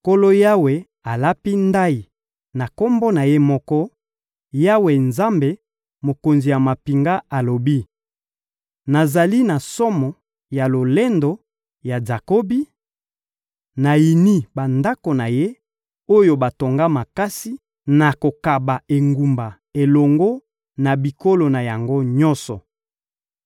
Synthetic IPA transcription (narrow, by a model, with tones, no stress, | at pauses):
ko˦lo˦ja˦we˨ | a˨la˦pi˦nda˦i˨ | na˨ko˦mbo˦na˨je˦mɔ˦kɔ˦ | ja˦we˨nza˦mbe˨ | mo˨ko˨nzi˨ja˨ma˨pi˨ŋɡa˦a˨lo˨bi˦ | na˨za˨li˦na˨sɔ˦mɔ˨ | ja˨lo˨le˦ndo˨ | ja˨za˨ko˦bi˦ | na˨ji˨ni˦ba˨nda˦ko˨na˨je˦ | o˦jo˦ba˨to˨ŋɡa˦ma˨ka˦si˦ | na˨ko˨ka˨ba˨e˨ŋɡu˨mba˨ | e˨lɔ˨ŋɡo˦ | na˨bi˨ko˦lo˨na˨ja˨ŋɡo˦ɲɔ̃˦nsɔ˨